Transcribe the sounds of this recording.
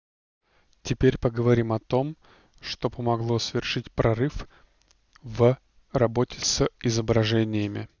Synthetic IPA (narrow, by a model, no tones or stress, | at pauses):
tʲɪpʲeɾʲpəɡəvɐɾʲimɐt̪o̞m | ʂt̪o̞pəmɐɡlˠo̞svʲɪrʂɨtʲpɾʔɐrɨf | və | rɐbo̞tʲɪsəɪzəbɾɐʐɛnʲɪjəmʲɪ̰